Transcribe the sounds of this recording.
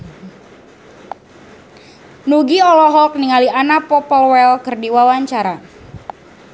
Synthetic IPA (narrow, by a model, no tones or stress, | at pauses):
nuɡiɔlɔɦɔk̚niŋalianapɔpəlwɛlkɨrdiwawaɲt͡ʃaɾa